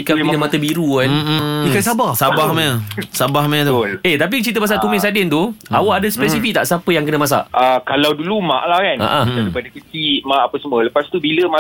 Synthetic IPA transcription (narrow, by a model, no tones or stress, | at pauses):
kainəmat̪əbiɾuaikas̬abahsabahmaəsabahmat̪uet̪ap̬it͡ʃit̪əmas̬at̪umɪ̃sadɪnt̪uawaʔadəspɛsifik̚t̪a̰ʔsapəjaŋkənəmas̬a̰ʔakalawduluma̰ʔlahkana̰ʔãdaɾipadəkətimãʔapəsəmũələpast̪ubiləma